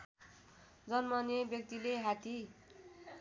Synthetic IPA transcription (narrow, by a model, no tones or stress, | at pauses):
d͡zʌnmʌnebjʌk̚t̪ileɦat̪i